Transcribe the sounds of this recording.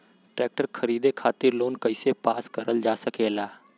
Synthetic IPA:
ʈɾeːk̚ʈəɾkʰɐɾiːd̪ekʰaːt̪ɪɾloːnkɐɪsepaːskɐɾəld͡ʒaːsəkʰeːlaː

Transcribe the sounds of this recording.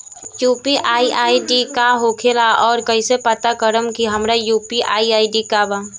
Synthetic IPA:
juːpiʔaːiʔaːiɖikaɦoːkʰelaʔɔːɾkəisepət̪akəɾəmkiɦɐmɾajuːpiʔaːiaːiɖikaba

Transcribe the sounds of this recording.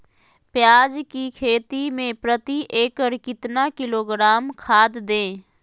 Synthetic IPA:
pjaːd͡ʒkikʰeːt̪imẽpɾət̪iʔeːkəɾkɪt̪nakɪloːɡɾaːmkʰaːd̪d̪ẽː

